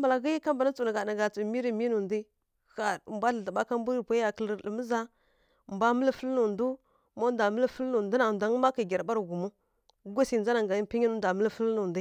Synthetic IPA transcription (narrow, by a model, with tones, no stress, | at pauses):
mba˨la˨ɣi˦jka˦mba˨na˦t͡su˨n˨ɡa˨na˨ɡa˨t͡su˨mi˦ɾi˨mi˦nu˨ndi˦ | xa˨ɾmbʷa˦ɬə˨ɬa˨ba˦ka˦mbu˦ɾi˦pʷa˦ja˨kə˨lə˨lə˨mə˦za˦˨ | mbʷa˦mə˦lə˦fə˦lnu˨ndu˦ | ma˦nda˨mə˦lə˦fə˦lnu˨du˦na˨n˨da˨ŋ˦ma˦ki˨ɡʲa˨ɾba˦ɾɡu˨mu˦ | ɡʷa˦si˨nza˦na˨ŋɡa˨i˦pi˦ɲi˦nu˦nda˨mə˦lə˦fə˦lnu˨ndi˦